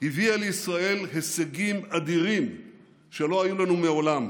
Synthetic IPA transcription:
hivialeisʁae̞lɦeseɡimad̪iʁim | ʃelo̞ajulanumeo̞lam

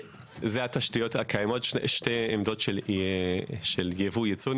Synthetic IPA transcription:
zehataʃtijo̞thakʰajemo̞tʃʃteemdo̞tʃel | ʃeljevujet͡sun

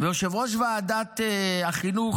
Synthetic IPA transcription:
veoʃevʁoʃ̬vaːd̪at̪eaχinuχ

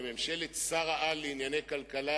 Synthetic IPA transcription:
memʃelet̪saʁaʔaleinjane̞jkalkala

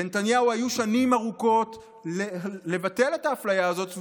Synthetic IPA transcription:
enetanjauhajuʃanimaʁuko̞t | le̞vate̞le̞taːflajaːzo̞t

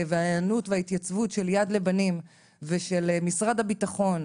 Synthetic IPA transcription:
veajanutveait̪jat͡svutʃeljadle̞banim | veʃelmisʁadabitaχo̞n

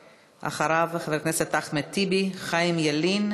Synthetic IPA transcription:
ʔa̰χaɾaveχavekneset̪ːaχmet̪ibiχajmjelin

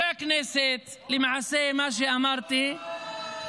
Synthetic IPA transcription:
akneːset̪lɪmʕasemaʃ̬iʔamɑɾˤt̪i

